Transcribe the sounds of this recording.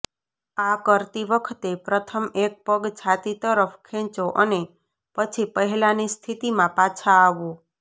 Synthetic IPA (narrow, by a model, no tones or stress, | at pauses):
akəɾt̪iʋəkʰt̪epɾət̪ʰəmek̚pəɡt͡ʃʰat̪it̪əɾəfʰkʰẽt͡ʃoʔəne | pət͡ʃʰipəɦɛlanist̪ʰit̪imãpat͡ʃʰaːʋo